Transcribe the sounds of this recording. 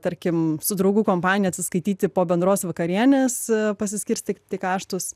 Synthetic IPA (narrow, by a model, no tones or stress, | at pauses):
t̪ɐɾʲkʲɪmsʊd̪ɾɔʊɡuːkoːmpɑːnʲɪjɛɐt̪ʲsʲɪskɐɪt̪ʲiːt̪ʲɪpoːbʲɛnd̪ɾoːsʋɐkɐɾʲiɛnʲeːspɐsʲɪsʲkʲɪɾʲsʲt̪ʲɪt̪ʲɪkɑːʃt̪ʊs